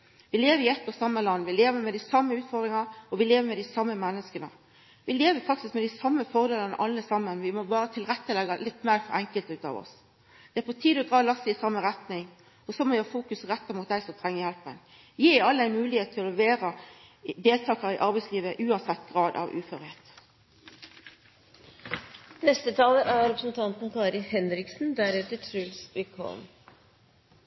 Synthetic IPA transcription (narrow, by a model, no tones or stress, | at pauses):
ʋɪleːʋəɾɪɛt̪ːɔsɑmːəlɑnːʋɪleːʋəmɛd̪ɪsɑmːəʉːt̪fɔʁd̪ɾɪŋɑɔʋɪleːʋəɾmɛd̪ɪsɑmːəmɛnːəskənə | ʋɪleːʋəfɑk̚t̪ɪskmɛd̪æɪsɑmːəfɔʁd̪eːlənə̰ʔɑlːəsɑmːənʋɪmɔbɑːɾət̪ʰɪlɾɛt̪ːəlɛɡɑlɪt̪ːmæːɾfɔɾɛŋkəlt̪ʉːt̪ɑ̰ːʋɔ̰s | d̪̥ɛæɾpɔt̪ʰiːd̪ɔd̪ʁɑːlɑst̪ɪɪsɑmːəɾɛt̪nɪŋ | ɔsɔmɔʋɪhɑfuːkʉsʁɛt̪ːɑmʊt̪̚d̪æɪsɔt̪ʰʁɛŋːəjɛlpən | jiːɑlːəæɪnmʉːlɪheːt̪ʰːɪlɔlɛʋeːɾə | d̪eːlt̪ʰɑːkɑɾɪʔɑɾbæɪsliːʋəʔʉːɑnsɛt̪ːɡʁɑːd̪ɑ̰ʋʔʉːfœʁheːt̪ | nɛst̪ət̪ʰɑːləʔæɾɾɛpɾəsnt̪ʰɑnt̪n̩kʰɑːɾɪhɛnɾɪksn̩d̪æɾɛt̪ːəʈʰɾʉlsʋɪkʰɔ̰lm